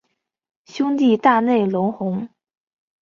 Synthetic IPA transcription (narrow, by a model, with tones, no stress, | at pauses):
ɕjʊ˥ŋt̪i˥˧t̪a˥˧ne˥˩ɪlʊ˧˥ŋxʊ˧˥ŋ